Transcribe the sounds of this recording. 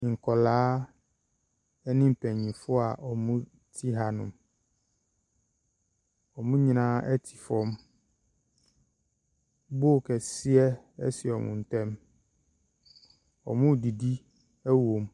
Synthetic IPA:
ŋ̩˨kʰɔ˨laː˦ | ɛ˦nɪ̃˦m̩˨pʰɛ̃˨ɲĩ˨fʊ˦a˨ʔɔ˨mʊ̃˦ | tʰi˦ɦa˨nʊ̃˨m | ɔ˨mũ˦ɲĩ˨nã˦ɛ˦tʰi̥˨fɔ˦m | bʊ˦˨kʰɛ˨si˦ɛ˦ | ɛ̰˦sɪ˨ɔ˨mʊ̰̃˨n˨t̪ɛ̃˦m | ɔ̰˨mũ˦di˨di˦ | ɛ˦wo˨m

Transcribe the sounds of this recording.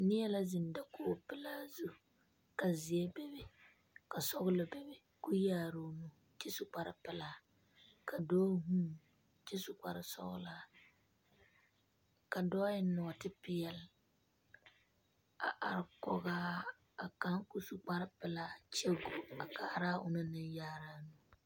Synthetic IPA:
nɪ˦jɛ˦la˦zɪ˨n˨da˦koː˦˨pɪ˦laː˦zu˦ | ka˨zɪ˨ɛ˦bɛ˦bɪ˦ | ka˨sɔ˦ɣʊ˦lɪ˨bɛ˨bɪ˨ | ku˦jaː˦˨ɾo˦nu˦ | t͡ʃɪ˦sʊ˨k͡pa˨ɾɪ̰˨pɪ˨laː˦˨ | ka˨dɔː˦ɦũ˦ | t͡ʃɪ˦sʊ˨k͡pa̰˨ɾɪ˨sɔ̰˦ɣʊ̰˦la˦ | ka˨dɔː˦jɪ˦nɔ˨tɪ˦pɪ˦jɛ˨l | a˨ʔa˨ɾɪ˨kɔ˨ɣaː˦ | a˨ka˦ŋku˦su˨k͡pa˦ɾɪ˦pɪ˨laː˦t͡ʃɛ˦ɡu˦a˨kaː˨ɾa˦ʊ̰˨nɨ˦nɪ˦njaː˦ɾa˦nu˦

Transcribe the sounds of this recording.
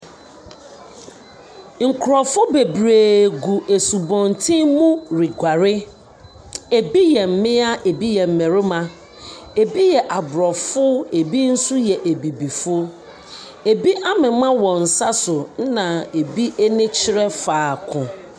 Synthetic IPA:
ŋ̩˨kʰɾɔ˨fʊ˦be˨bɾeː˨ɡu˨ʔe˨su˨bɔ̃˨n˨tʰĩ˦mũ˦ɾi˨ɡʷa˨ɾɪ˦ | e˨bi˦jɛ˨m̩˨mɪ̃˦a˦ʔe˨bi˦jɛ˨m̩˨mɛ̃˨ɾɪ˦mã˨ | e˨bi˦jɛ˨ʔa˨bʊ˨ɾɔ˨fʊ˦e˨bi˦n̩˦su˦jɛ˨ʔe˨bi˨bi˨fʊ˦ | e˨bi˦ʔa˦mɪ̃˨˦mã˦wɔ̃˨n̩˨sa˦sʊ˨n̩˦nã˨e˨bi˦ʔe˦nɪ̃˦t͡ɕʰɪ˦ɾɛ˦faː˨kʰʊ̃˨

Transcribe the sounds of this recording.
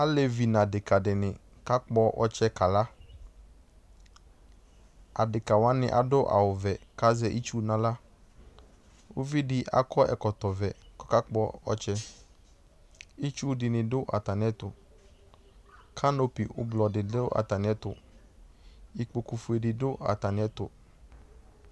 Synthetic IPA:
a˦le˦vi˨nã˨dɪ˨ka˨dɪ˨nɪ̃˨ | ka˦k͡pɔ˦ʔɔ̰˦t͡ʃɛ˦ka˨la˦ | a˨dɪ˨ka˨wa˦nɪ̰̃˨ʔa̰˨dʊ˦ʔa̰˨wʊ˨vɛ˨ka˦zɛ˦ʔi˦t͡ʃu˦nã˨la˦ | wʊ˦vi˦dɪ˦ʔa̰˨kʰɔ˦ɛ̰˨kɔ˨t̪ɔ˨vɛ˨kɔ̥˦ka˦k͡pɔ˦ɔ̰˨t͡ʃɛ˦ | i˦t͡ʃu˦dɪ˨nɪ̃˨dʊ˦ʔa̰˨t̪a˨nɪ̃˨˦ɛ˦t̪ʊ˨ | kʰa˦no˦pi˨ʔʊ̰˦blɔ˨dɪ˨dʊ˦ʔa̰˨t̪a˨nɪ̃˨ɛ˦t̪ʊ̰˨ | i˦k͡po˨ku˨fʊ˦˨e˨dɪ˨dʊ˦ʔa̰˨t̪a˨nɪ̃˨ɛ˦t̪ʊ̰˨

